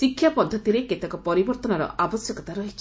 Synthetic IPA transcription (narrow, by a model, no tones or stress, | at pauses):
sikʰːjapɔnd̪ʱɔt̪iɾeket̪akɔpɔɾibɔɾt̪ɔnɔɾɔ̰ʔabɔsjɔkɔt̪aɾɔɦit͡ʃʰi